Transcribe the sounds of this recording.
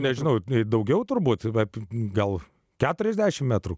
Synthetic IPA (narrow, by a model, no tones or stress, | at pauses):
nʲɛʒʲɪnɐʊd̪ɐʊɡʲɛʊt̪ʊrbuːt̪ʋɐpɡɐlˠ | kʲæːt̪ʊɾʲɛzʲd̪ʲæːʃʲɪmmʲæːt̪ɾu